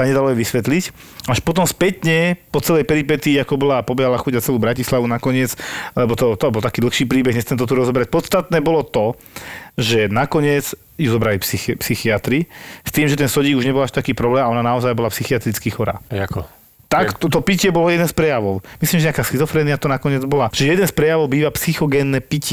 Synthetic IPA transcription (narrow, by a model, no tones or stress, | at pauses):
aɲɛd̪alɔjɛʋisʋɛt̪lic | aʃpɔt̪̬ɔmspɛt̪ɲɛpɔt͡sɛlɛjpɛɾipɛt̪iːakɔbɔlapɔbɛalaxuɟat͡sɛluːbɾacislaʋunakɔɲɪɛt͡slɛbɔt̪ɔt̪ɔbɔlt̪akiːd̪l̩xʃiːpɾiːbɛɣɲɛst̪ɛmt̪ɔt̪uɾɔzɔbɾac̚pɔt̪st̪at̪nɛːbɔlɔt̪ɔ | ʒɛnakɔɲɪɛt͡s | juzɔbɾalipsixpsixiat̪ɾist̪iːmʒɛt̪ɛnsɔɟiːɡuʒɲɛbɔlaʃt̪akiːpɾɔblɛːmaɔnanaɔzajbɔlapsixiat̪ɾit͡skixɔɾa̰ːk | t̪ak̪t̪ɔpicɪɛbɔlɔjɛd̪ɛnspɾɛjaʋɔʊmisliːmʒɛakaːsxizɔfɾɛːniat̪ɔnakɔɲɪɛd͡zbɔlaʒɛjɛd̪ɛnspɾɛjaʋɔʊbiːʋapsixɔɡɛːnːɛpicɛ